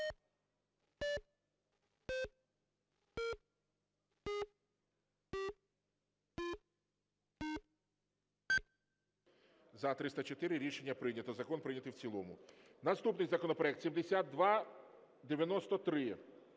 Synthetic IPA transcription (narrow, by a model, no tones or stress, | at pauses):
zɐt̪ɾɪst̪ɐt͡ʃet̪ɪɾɪɾʲiʃenʲːɐpɾɪnʲɐt̪ɔzɐkɔnpɾɪjnʲɐt̪ɪwt͡sʲilˠɔmʊ | nɐst̪upnɪjzɐkɔnɔpɾɔɛkt̪sʲimd̪esʲad̪d̪ʋɑ | d̪eʋʲjɐnɔst̪ɔt̪ɾɪ